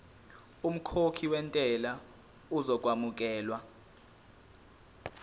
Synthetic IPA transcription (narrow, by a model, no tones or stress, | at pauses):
um̩kʰokʰiwɛntʼɛla | uzɔk̬ʼwamuk̬ʼɛːlwa